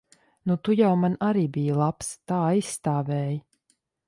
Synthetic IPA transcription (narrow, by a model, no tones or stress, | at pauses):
nut̪ujawmanaɾiːbijəlˠapst̪aːajsːt̪aːvɛːjə